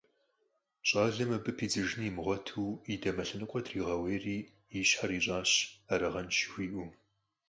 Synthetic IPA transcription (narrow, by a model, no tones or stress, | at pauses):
ɕʼaːɮɐmɐbɨpʰiːd͡zɨʒniːmɨʁʷɔtʰuːidɐmɐɬɨnɨqʷʼɔdriːʁɐweːriː | iɕħariːɕʼaːɕaɾɐʁɐnʃɪ̥xʷiːʔʷu